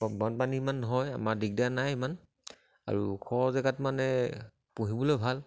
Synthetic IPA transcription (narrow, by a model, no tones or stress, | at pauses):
bɔnpanimanɔɦɔja̰maɹdik̚danajman | a̰ɹukʰɔɹzaɡatmanɛ | puɦibɔlɔjbʱal